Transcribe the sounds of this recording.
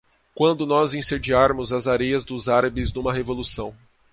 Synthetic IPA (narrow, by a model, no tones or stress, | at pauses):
kwɐ̃nd̪ʊnɔzẽsed͡ʒiaɾmʊzɐzaɾejɐzd̪ʊzaɾɐbɪznũmɐɦevolusɐ̃w̃